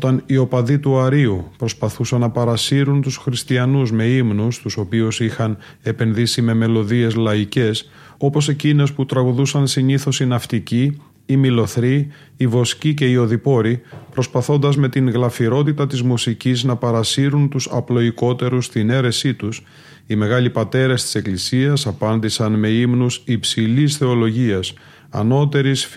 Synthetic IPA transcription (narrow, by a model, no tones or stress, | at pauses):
ot̪ɐnio̞pɐðit̪uɐɾiupɾo̞spɐθusɐnːɐpɐɾɐsiɾunt̪usxɾist̪iɐnuzme̞imnust̪uso̞piusixɐn | e̞pe̞nðisime̞me̞lo̞ðie̞zlɐice̞s | o̞po̞se̞cine̞sput̪ɾɐɣuðusɐnsiɲiθo̞sinɐft̪iciː | milo̞θɾiː | vo̞scice̞io̞ðipo̞ɾipɾo̞spɐθo̞nd̪ɐzme̞t̪iŋɣlɐfiɾo̞t̪it̪ɐt̪izmusiciznɐpɐɾɐsiɾunt̪usɐplo̞iko̞t̪e̞ɾust̪ine̞ɾe̞sit̪us | ime̞ɣɐlipɐt̪e̞ɾɐst̪i̥se̞klisiɐsɐpɐnd̪isɐnme̞imnusipsilisθe̞o̞lo̞ʝiɐs | ɐ̰no̞t̪e̞ɾis